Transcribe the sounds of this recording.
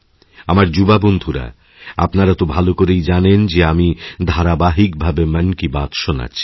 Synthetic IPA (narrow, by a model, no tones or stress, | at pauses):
amaɾd͡ʑubabond̪ʱuɾa̰ | a̰pnaɾat̪obʱalokoɾejd͡ʑanend͡ʑeamid̪ʱaɾabaɦik̚bʱabemənkibat̪ʃona̰t͡ɕʰi̥